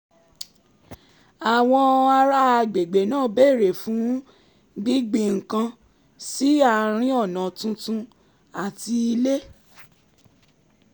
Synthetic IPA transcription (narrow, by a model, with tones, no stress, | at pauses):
a˨w̃ɔ̃˧a˧ɾa˦a˧ɡ͡be˨ɡ͡be˨nãː˦˨˦be˦˨ɾe˨fũ˨˦ | ɡ͡bi˦ɡ͡bi˨ŋ̩˨kã˧ | si˦a˧ɾ̃ĩ˦ɔ˦˨nã˨tũ˧˦tũ˧ | a˨ti˧i˧le˦